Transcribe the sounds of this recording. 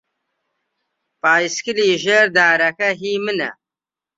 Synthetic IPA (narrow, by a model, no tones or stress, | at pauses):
paːiskiliʑeɾd̪aːɾɐkɐɦiːminɐ̰